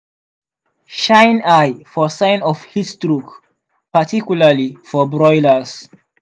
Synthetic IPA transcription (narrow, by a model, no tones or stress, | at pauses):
ʃãjnajfɔsãɪ̃nɔfhistɹuk | patʰikjulalifɔbɹɔjləs